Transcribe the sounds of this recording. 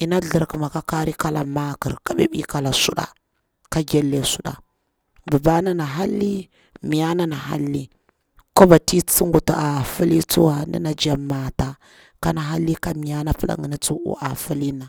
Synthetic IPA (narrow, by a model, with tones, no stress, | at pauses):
i˨na˦ɮə˨ɾkə˨ma˨ka˦ka˦ɾi˦ka˦la̰˨ma˦kə̰˨ɾka˦ɓḛ˦ɓi˦ka˨la˨su˦ɗa̰˨ | ka˦ɡe˦lːe˦su˦ɗa̰˨ | ba˨ba˦na˦na˨ɦa˦lːi˦ | mi˨ja˦na˦na˨ɦa̰˦lːi˦ | ko˦ba˨ti˦t͡si˦ŋɡu˨ta˨a˨fu˦li˦t͡su˦wa˨nḭ˦na˨d͡ʒa˨mːa˨ta˨ | ka˦na˨ɦa˦lːi˦ka˦mi˨ja˦na˦pə˦la̰˨ŋi˨na˦t͡su˦ʔṵ˦ʔa˨fu˦li˦na˨